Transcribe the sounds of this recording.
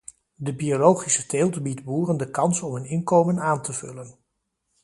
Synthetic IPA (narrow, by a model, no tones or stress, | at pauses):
dəbiolowχisəteːlˠtəbitbuːrəndəkɑnsɔmɦɵnɪnkowmənaːntəv̥ɵ̰lən